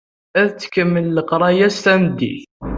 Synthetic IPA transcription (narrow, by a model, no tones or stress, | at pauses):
æðt͡sːə̥kəmːəlːəqɾˤɑjæst̪æmd̪ːḭθ